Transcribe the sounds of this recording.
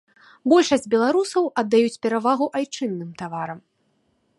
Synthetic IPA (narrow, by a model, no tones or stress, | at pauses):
bɔlʲʂɐsʲd͡zʲbʲɛlˠaɾusɐwʔɐd̪ːajut͡sʲpʲɛɾavaɣuʔajt͡ʂɨnːɨmt̪avaɾɐm